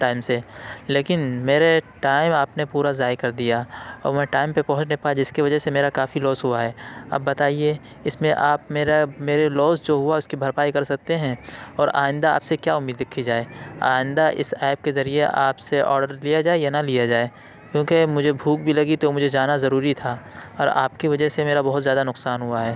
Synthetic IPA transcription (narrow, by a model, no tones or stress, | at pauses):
ʈaːɪmseleːkɪnmeːɾeʈaːɪmaːpnepuːɾazaːjkɐɾd̪ijaɐ̰ːmɛ̃ːʈaːɪmpepɐ̃ɦʊ̃t͡ʃnẽpaːad͡ʒɪskiʋɐd͡ʒəɦsemeːɾakaːfilɔːsɦʊaɦɛːɐ̰bːɐt̪aːie | ɪsmẽʔaːpmeːɾameːɾelɔːsd͡ʒoːɦʊaʊskibʱɐɾpaːikɐɾsɐk̚t̪eɦɛ̃ːɔːɾa̰ːɪ̃nd̪aa̰ːpsekjaːʊmːiːd̪ɾɪkʰːid͡ʒaːea̰ːɪ̃nd̪aʔɪ̰sɛːp̚kezɐɾieʔaːpseʔɔ̰ːɾɖəɾlijad͡ʒaːejanalijad͡ʒaːe | kjõːkemʊd͡ʒʱebʱuːk̚bʱilɐɡit̪omʊd͡ʒʱed͡ʒaːnazɐɾuːɾit̪ʰaːɔːɾa̰ːpkiʋɐd͡ʒəɦsemeːɾabɔɦʊt̪zjaːd̪anʊqsaːnɦʊaɦɛː